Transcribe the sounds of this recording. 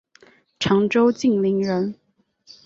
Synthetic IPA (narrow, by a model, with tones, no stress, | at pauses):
ʈ͡ʂʰɑ˧˥ŋʈ͡ʂo˥ʊt͡ɕi˥˩ŋli˧˥ŋɻə˧˥n